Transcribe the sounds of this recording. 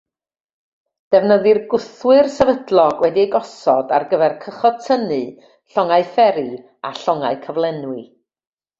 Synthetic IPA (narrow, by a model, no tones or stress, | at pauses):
d̥ɛvnəðɪrɡʊθwɨrsɛvədlˠɔɡwɛdiejɡɔsɔda̰rɡəvɛrkʰəχɔtʰənɨ | ɬɔŋaɨfɛɾi | a̰ɬɔŋaɨkʰəvlˠɛnwɨ